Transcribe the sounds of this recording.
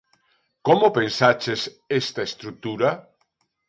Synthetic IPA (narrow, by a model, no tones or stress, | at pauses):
komopẽnsat͡ʃes | est̪aest̪ɾuk̚t̪uɾa